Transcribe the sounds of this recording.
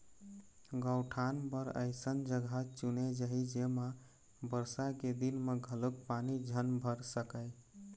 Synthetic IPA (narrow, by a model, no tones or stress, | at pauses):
ɡəwʈʰanpəɾə̰ɪsənd͡ʒəɡʱat͡ʃuned͡ʒəɦid͡ʒema | bəɾsaked̪inmeɡʱəlokpanid͡ʒʱənbʱəɾsəkəjɪ